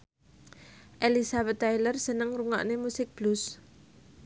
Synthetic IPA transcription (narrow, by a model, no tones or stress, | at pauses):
ʔelisabɛt̪ːajlərsənəŋruŋa̰ʔnemusɪk̚b̥lus